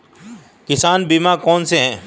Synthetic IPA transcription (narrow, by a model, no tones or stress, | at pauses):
kɪsaːnbiːmakɔːnseɦɛ̃ː